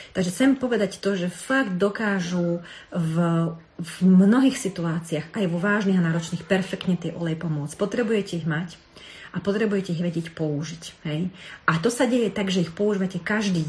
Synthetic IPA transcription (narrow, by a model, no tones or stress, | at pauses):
t̪aɡʒɛt͡sɛmpɔʋɛd̪act̪ɔʒɛfaɡd̪̚d̪ɔkaːʒuv | vmnɔɦiːxsit̪uaːt͡siaxajʋɔʋaːʒniːɦanaːɾɔt͡ʃniːxpɛɾfɛkt̪ɲɛt̪ɪɛʔɔlɛjpɔmʊɔt͡spɔt̪ɾɛbujɛcɛiɣmac | ʔapɔt̪ɾɛbujɛcɛiɣʋɛɟɪjɛcpɔuʒicɦɛjʔat̪ɔsaɟɛjɛt̪aɡʒɛixpɔuʒiːʋacɛkaʒd̪iː